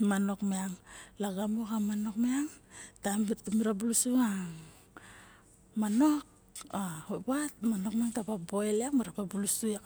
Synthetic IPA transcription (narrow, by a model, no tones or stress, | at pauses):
mano̞kmeaŋlaɡamokamano̞kmeaŋtambitumiɾabulusuaŋ | manok̚ | ahopat̚mano̞k̚meaŋtapaboeleakmiɾapabulusua